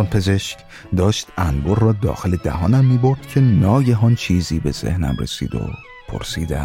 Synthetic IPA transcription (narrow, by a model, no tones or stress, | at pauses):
npʰe̞ze̞ʃc | d̪ɒːʃt̪ʔænborːɒːd̪ɒ̰ːxe̞le̞d̪æ̰ɦɒːnæmːiːbo̞ɾd̪̥cʰe̞nɒːɟeɦɒːnt͡ʃʰiːziːbe̞z̥ḛhnæ̰mrḛsḭːd̪o̰ | pʰo̰ɾsiːd̪æ̰